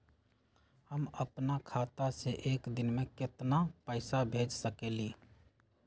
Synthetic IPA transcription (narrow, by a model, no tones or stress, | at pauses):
həməpnakʰat̪aseʔeːkd̪ɪnmẽkɪt̪napəɪsabʱed͡ʒsəkeliː